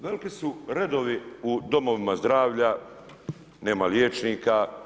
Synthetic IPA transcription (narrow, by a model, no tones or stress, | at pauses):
ʋelikisuɾe̞d̪o̞ʋiud̪o̞mo̞ʋimazd̪ɾaːʋʎa | ne̞ːmaljeːt͡ʃniːka